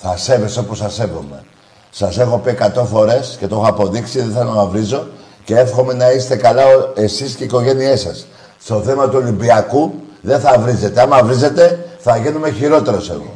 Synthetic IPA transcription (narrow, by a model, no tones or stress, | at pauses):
θɐse̞ve̞so̞posɐse̞vo̰me̞ | sɐse̞xo̞pie̞kat̪o̞fo̞ɾe̞sce̞t̪o̞xoɐpo̞ðiksiðeθelo̞nɐvɾizo̞ | ce̞e̞fxo̞me̞nɐist̪e̞kɐlɐoe̞sisceiko̞ʝe̞nie̞sɐsː | t̪o̞θemɐt̪uo̞limbiɐkuðe̞θɐvɾize̞t̪e̞ɐmɐvɾize̞t̪e̞θɐʝinume̞çiɾo̞t̪e̞ɾo̞se̞̰ɣo̞̰